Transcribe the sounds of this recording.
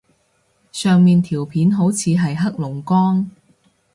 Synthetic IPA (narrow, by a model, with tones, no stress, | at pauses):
sœː˨ŋmiː˨nt̪ʰiː˨˩wpʰiː˨˥nɦo˨˥wt͡sʰiː˨˧ɦɐ˨jɦɐ˥k̚lʊ˨˩ŋkɔː˥ŋ